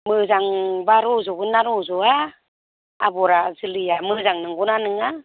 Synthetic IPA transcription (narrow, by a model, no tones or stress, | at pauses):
mɯzaŋbaɾɔzɔbɯnaɾɔzɔa̰ː | bɔɾazɯlɯjamɯzaŋnɯŋɡɔnanɯŋa